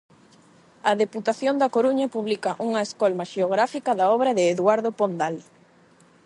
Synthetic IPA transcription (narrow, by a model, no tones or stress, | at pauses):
ɐðeput̪aθjond̪ɐkoɾuɲɐpuβlikɐʔuŋɐeskɔlmaʃeoɣɾafikɐðaɔβɾɐðɪːðwaɾðopond̪al